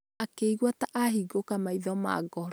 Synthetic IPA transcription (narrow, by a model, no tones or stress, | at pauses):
akeiɣwataʔaɦiɡokamaiðɔma̰ɡɔɾ